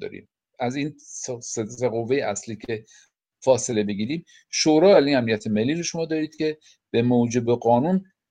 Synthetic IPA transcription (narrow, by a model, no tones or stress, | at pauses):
ɒ̰ːɾḭːm | æziːnsseseɣo̞vːe̞jeʔæsliːcʰe̞ | fɒːse̞le̞be̞ɡiːɾiːm | ʃoɾɒːælinæmnijæt̪ʰemelːiːɾoʃo̞mɒːd̪ɒːɾiːd̪̥cʲʰe̞ | b̥emowd͡ʒe̞be̞ɢɒːnuːn